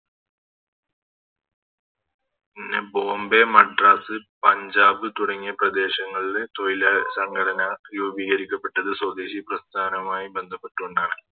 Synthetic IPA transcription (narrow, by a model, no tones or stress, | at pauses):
pinːe̞bo̞ːmbe̞mɐɖraːsɨpɐɲd͡ʑaːbɨt̪uɽɐŋːijɐprɐd̪e̞ːɕɐŋːɐɭile̞t̪ojilɐsɐŋɡɐɽɐnɐjuːbiːɣɐɾikʲːɐpːe̞ʈːɐðɨswɐd̪eːɕiprɐst̪ʰaːnɐmaːjibe̞nd̪ʱɐpːe̞ʈːuɳɖaːɳɨ